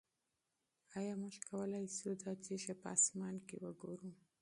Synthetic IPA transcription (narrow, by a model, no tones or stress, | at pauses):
ɑjɑmʊʒkawəlɑjsud̪ɑt͡ʃeʃepəɑ̰smɑnkewəɡoɾu